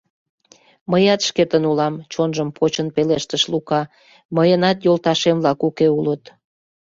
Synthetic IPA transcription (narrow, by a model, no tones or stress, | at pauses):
məjɑt̪ʃket̪ənulɑmt͡ɕonʒəmpʰot͡ɕənpeleʃt̪əʃlukɑ | məjənɑt̪jolt̪ɑʃemlɑkukeulət̪